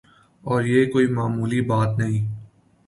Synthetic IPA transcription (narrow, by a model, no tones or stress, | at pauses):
ɔːɾjeːkoːimaːmuːlibaːt̪nɐɦĩː